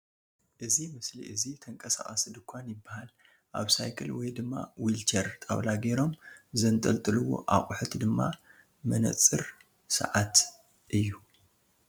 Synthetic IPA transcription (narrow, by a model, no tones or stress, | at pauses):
ʔɨzimɨslḭʔɨzit̪ʰɐŋkʼɐsa̰χʼɐsid̪ɨkʷʰːanjɪbːahal | ʔaβsajkʰɨlwɔjd̪ɨmːa̰wilt͡ʃʰɐɾt̪ʼa̰βlaɡeɾo̞mzɐnt̪ʼɐlt̪ʼɨlɨwo̰ʔaχʼʊħɨt̪d̪ɨmːa | mɐnɐ̰t͡sʼːɨɾ | sɐ̰ʕat̪ | ʔɨjːu